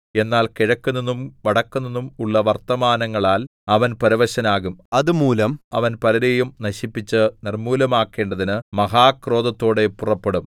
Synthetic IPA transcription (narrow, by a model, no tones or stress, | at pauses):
e̞nːaːlkiɻɐkːunːɐnːumʋɐɽɐkːunːɐnːumuɭːɐʋɐrt̪ɐmaːnɐŋːɐɭaːlɐʋɐnpɐɾiʋɐɕɐnaːɣumɐðumuːlɐmɐ̰ʋɐnpɐlɐɾejumnɐɕipːit͡ɕːɨnirmuːlɐmaːkːe̞ːɳɖɐðinɨmɐɦaːkro̞ːd̪ɐt̪ːo̞ːɽe̞purɐpːeɽum